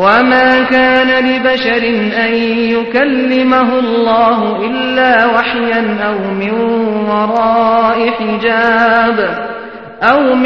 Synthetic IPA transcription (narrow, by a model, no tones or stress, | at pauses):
wamaːkaːnalɪbaʃɑɾɪnʔan | jʊkalːɪmaɦʊlˤːɑːɦʊʔɪlːaːwaħjanʔawmɪnwɑɾˤɑːʔɪħɪd͡ʒaːb | ʔawm